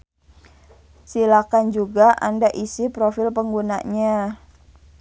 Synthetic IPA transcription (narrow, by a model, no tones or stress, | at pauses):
silakand͡ʒuɡaʔa̰ndaʔisipɾofɪlpəŋɡuna̰ɲa